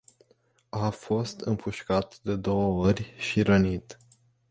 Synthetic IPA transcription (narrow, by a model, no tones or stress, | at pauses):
afo̞st̪ɨmpʰuʃkat̪d̪e̞d̪o̞wəorʲʃiɾənit̪